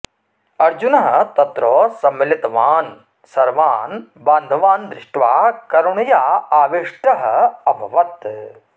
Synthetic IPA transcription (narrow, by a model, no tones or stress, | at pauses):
ɐɾd͡ʒunɐɦɐ̆t̪ɐt̪ɾoːsɐmːɪlit̪ɐʋaːn | sɐɾʋaːnbaːnd̪ʱɐʋaːnd̪ɾɪʂʈʋaːkɐɾuɳɐjaːaːʋiʂʈɐɦɐɐbʱɐʋɐt̪